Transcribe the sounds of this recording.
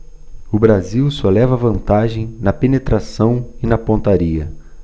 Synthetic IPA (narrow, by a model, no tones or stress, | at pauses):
ʊbɾaziwsolɛvɐvɐ̃nt̪aʒẽj̃nɐpenet̪ɾasɐ̃w̃ɪnɐpõnt̪aɾiɐ